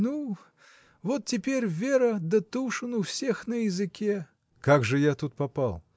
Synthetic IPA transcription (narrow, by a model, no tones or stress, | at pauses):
nu | vɔt̪̚tʲɪpʲerʲvʲeɾɐd̪ɐt̪uʂɨnufsʲexnɐjɪzɨkʲe | kaɡʐɨjat̪ut̪̚papalˠ